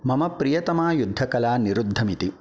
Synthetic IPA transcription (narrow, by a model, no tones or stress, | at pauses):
mɐmɐpɾijɐt̪ɐmaːjud̪ʱːɐkɐlaːniɾud̪ʱːɐmit̪i